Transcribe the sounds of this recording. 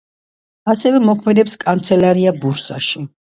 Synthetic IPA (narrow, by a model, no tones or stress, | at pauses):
asɛvɛmɔkʰmɛd̪ɛpskʼant̪sʰɛlaɾiabuɾsa̰ʃi